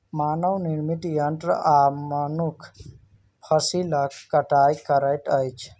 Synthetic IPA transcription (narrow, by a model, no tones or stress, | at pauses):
maːnəwniɾmiʈ̪jənʈɾamənukʰ | pʰəsiləkkːəʈajkəɾəjʈ̪əjt͡ʃʰ